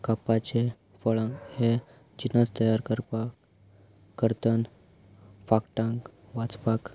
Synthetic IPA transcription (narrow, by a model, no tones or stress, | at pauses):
kapat͡ɕe | fəɭə̃ŋɡhe | d͡ʑinət͡st̪əjaɾkəɾp | kəɾt̪ən | fakʈãŋkʋat͡spak